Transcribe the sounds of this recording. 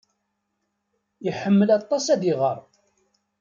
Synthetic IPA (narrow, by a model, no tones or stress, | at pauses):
iħəmːəlɑt̪ˤːɑsæðiʁəɾˤ